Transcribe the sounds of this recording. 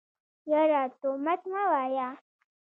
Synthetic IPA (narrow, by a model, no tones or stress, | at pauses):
jaɾat̪omat̪mawaja